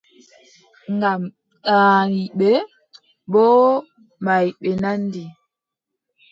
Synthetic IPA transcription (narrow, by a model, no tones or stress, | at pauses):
ŋɡam | ɗaːŋiɓe | bɔ | maiɓenandi